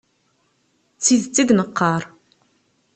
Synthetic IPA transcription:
t͡sːiðt͡sːiðnəqːɑɾˤ

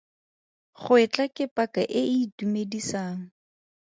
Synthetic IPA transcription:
χʊɪt͡ɬʼakʼɪpʼakaʔɪɪːtumedisaːŋ̩

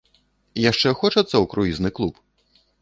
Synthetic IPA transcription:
jaʂt͡ʂɛxɔt͡ʂɐt̪sːɐwkɾuiznɨklˠup

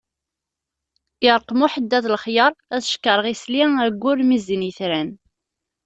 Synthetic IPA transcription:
ɪɾˤqmuħəd̪ːæðlχjəɾˤæθʃkːəɾˤʁisliæɡʷːʊɾmiziniθɾæn

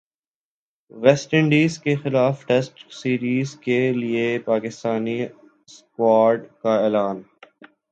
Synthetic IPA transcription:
ʋɛsʈɪ̃ɳɖiːzkexɪlaːfʈɛsʈsiːɾiːzkeliepaːkɪst̪aːni | skwaːɾɖkaɛːlaːn

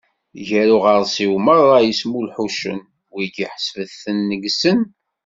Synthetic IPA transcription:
ʝæɾuʁəɾˤsiwməɾˤɑjəsmulħuʃə̰n | wiɡiħə̥svəθənːəɡsən

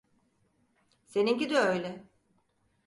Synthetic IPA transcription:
se̞niŋɟid̪yøjlʲɛ

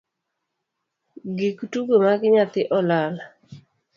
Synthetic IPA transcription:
ɡikutuɡomaɡɪɲat̪ɪʔɔlal

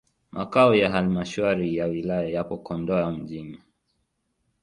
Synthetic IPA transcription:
mʔakaɔjaɦalimaʃaɾijawilajajapɔkɔndɔam̩ʄini

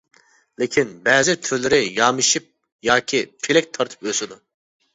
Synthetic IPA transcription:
lɪkʲʰinbɛːzɪt̪ʰyɾlɪɾɪjɑmɨʃip̚ | jɑːkʲʰipʰelɛk̚ʲt̪ʰɑɾt̪ʰɨ̥pøsɪd̪u

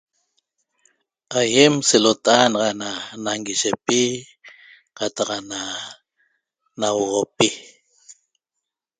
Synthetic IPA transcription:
ajemselot̪aʔanɑʁɑnanaŋɡiʃepi | qat̪ɑqana | nawʁopi

